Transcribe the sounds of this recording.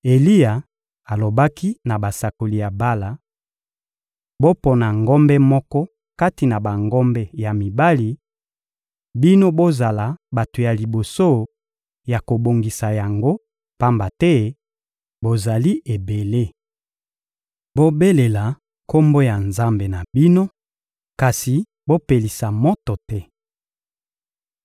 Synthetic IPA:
e˨li˦ja˨ | a˨lo˨ba˦ki˦na˨ba˨sa˨ko˨li˨ja˨ba˦la˨ | bo˦pɔ˨na˨ŋɡɔ˦mbɛ˦mɔ˦kɔ˦ | ka˦ti˨na˨ba˨ŋɡɔ˦mbɛ˦ja˨mi˨ba˦li˨˦ | bi˦no˦bo˦za˨la˨ba˨to˨ja˨li˨bo˨so˦ | ja˨ko˨bo˨ŋɡi˨sa˨ja˨ŋɡo˦ | pa˦mba˨tɛ˦ | bo˨za˨li˦e˨be˨le˦ | bo˦be˦le˨la˨ | ko˦mbo˦ja˨nza˦mbe˨na˨bi˦no˦ | ka˨si˨ | bo˦pe˨li˨sa˨mɔ˦tɔ˨tɛ˦

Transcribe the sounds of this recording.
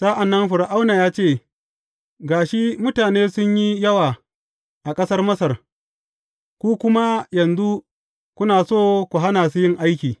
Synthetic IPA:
sɐ˦ʔa˨nːɐ˦nɸʊ˨ɾa˨ʔa˦wna˨jaː˦t͡ʃeː˦˨ | ɡaː˨ʃi˦mʊ˦taː˨neː˦sʊ˦ɲji˦jɐ˦waː˨ | ʔa˨kʼɐ˦sɐ˦rmɐ˦sɐ˨r | kʷuː˦kʷʊ˦ma˦jɐ˨nzu˦ | kʷʊ˦naː˨soː˦kʷu˨ɦa˦naː˨s̬u˦jɪ˦˨ŋʔa˦jkʲiː˨

